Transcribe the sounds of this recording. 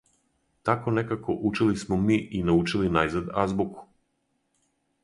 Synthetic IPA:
t̪akonekako̞ʔut͡ʃilismomiːʔinaut͡ʃilinajzad̪azbuku̥

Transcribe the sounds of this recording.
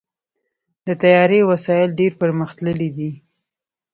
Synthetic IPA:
d̪ət̪ajɑɾewasɑjɪlɖeɾpəɾməxt̪ləlid̪i

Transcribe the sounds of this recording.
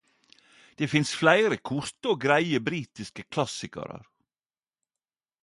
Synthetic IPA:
d̪̥eːfɪnsflæɪɾəkʰʊɾt̪əoːɡɾæɪəbɾiːt̪ɪskəkʰlɑsɪkə̰ɾə̰ɾ

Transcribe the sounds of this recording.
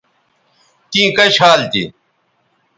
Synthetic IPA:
t̪ĩːkɐɕaːlt̪ḭ

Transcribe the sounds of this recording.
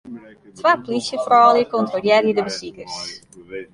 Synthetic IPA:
tʋaːpolisjəfrɔːljəkɔntroljɛɾjədəbəsikərs

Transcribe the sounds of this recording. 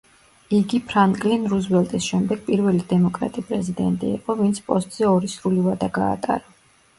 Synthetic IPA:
iɡipʰɾaŋkʼlinɾuzbɛlˠt̪ʼisʃɛmd̪ɛɡ̥̚pʼiɾvɛlid̪ɛmɔkʼɾa̰t̪ʼipʼɾɛzid̪ɛ̰nt̪ʼḭːqʼɔvint̪sʰpʼɔst̪ʼz̥ɛɔɾisɾulivad̪aɡa̰ːt̪ʼa̰ɾa

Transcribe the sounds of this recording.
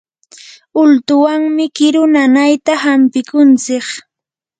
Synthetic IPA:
ʊlt̪ʊwaŋmɪkɪɾʊnanajt̪ahampɪkʊnt͡sɪχ

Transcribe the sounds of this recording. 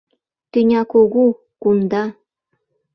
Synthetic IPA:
t̪ynʲɑkoɣu | kund̪ɑ

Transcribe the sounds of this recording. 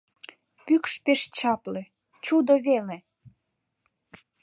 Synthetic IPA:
pykʃpeʃt͡ɕɑplĕ | t͡ɕud̪oβele

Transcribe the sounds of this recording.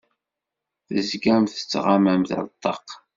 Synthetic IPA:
θəzɡæmθə̥t͡sːʁamæmθə̰ɾt̪ˤːɑq

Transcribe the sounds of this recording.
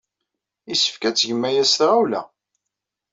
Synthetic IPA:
isə̥fkæt͡sːʝəmːæjæsθɾawlæ̰

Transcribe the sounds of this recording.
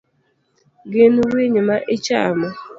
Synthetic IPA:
ɡɪnʊweɲɪmaʔɪt͡ʃamʊ

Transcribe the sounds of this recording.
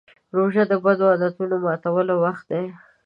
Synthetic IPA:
ɾoʒad̪əbad̪oad̪at̪unomɑt̪awəlowaxt̪̚d̪e

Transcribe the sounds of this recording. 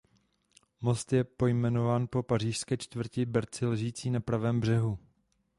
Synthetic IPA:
mo̞st̪jɛpo̞jmɛno̞vaːnpo̞par̝iːʃskɛːt͡ʃt̪vər̩cɪbɛɾt͡sɪlɛʒiːt͡siːnapɾavɛːmbr̝ɛɦu

